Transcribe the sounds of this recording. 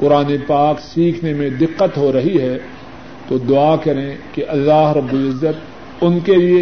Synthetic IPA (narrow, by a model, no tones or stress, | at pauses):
kʊɾaːnepaːksiːkʰnemẽd̪ɪqːət̪ɦoɾɐɦiɦɛː | t̪od̪ʊaːkɐɾẽkeʔɐlːaːɦɾɐbːʊlɪzːət̪ | ʊnkelie